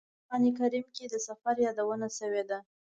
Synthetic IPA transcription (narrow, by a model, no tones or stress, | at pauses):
ɑnik̬aɾimked̪əsafaɾjɑd̪awənaʃəwed̪a